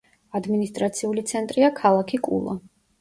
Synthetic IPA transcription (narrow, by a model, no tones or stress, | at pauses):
ad̪minist̪ʼɾat̪sʰiulit̪sʰɛnt̪ʼɾiakʰalˠakʰikʼṵlˠɔ̰